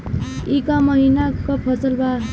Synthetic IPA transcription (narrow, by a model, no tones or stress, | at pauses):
ikamʌɦinakopʰʌsʌlba